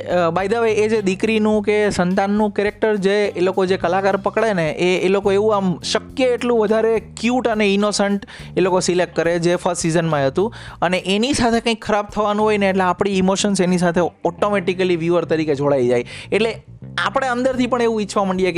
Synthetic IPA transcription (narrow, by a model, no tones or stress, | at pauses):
bajd̪aʋajed͡ʒed̪ikɾinũkesənt̪anːũkɛɾek̚ʈəɾd͡ʒeelokod͡ʒekəlakaɾpəkɭeneʔeːlokoeʋũamʃəkjəːʈlũʋəd̪ʱaɾekjuʈəneinosəɳʈelokosilek̚ʈ̚kəɾed͡ʒefʰəssizənmãɦət̪ũəneʔenisat̪ʰekə̃ĩkʰːəɾab̚t̪ʰəʋanũɦojneːʈleapɽ̃iːmoʃənsenisat̪ʰeɔʈomeʈikəliʋjuʋəɾt̪əɾiked͡ʒʱoɭaid͡ʒajeʈle | apɽ̃eə̃nd̪əɾt̪ʰipəɳ̃eʋũit͡ʃʰʋaməɳɖijek